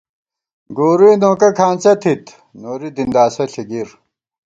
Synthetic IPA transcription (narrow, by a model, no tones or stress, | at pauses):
ɡoːɾiːnoːkɐkʰaːnt͡ɕɐt̪ʰit̪ | noːɾid̪ind̪aːsɐɬʰiɡiɾ